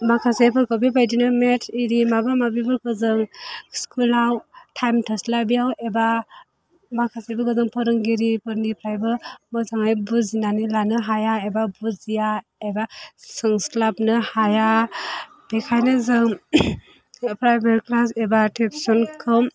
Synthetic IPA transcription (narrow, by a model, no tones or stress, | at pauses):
makʰasepʰɯɾkʰowbibajdinɯmetʰiɾimabamabibɯɾkʰɯzɯŋskʰulawtʰajmtʰaslabijaweba | makʰasebɯkɯzɯŋpʰɔɾɯŋɡiɾipɯɾŋipʰɾajbɯmɔzaŋajbuzinanilanɯɦajaebabuzija | ebasɯŋsklap̚nɯhaja | b̥ekʰajnɯzɯŋ | pʰɾajbeɾklasebatʰepsɔnkʰɯm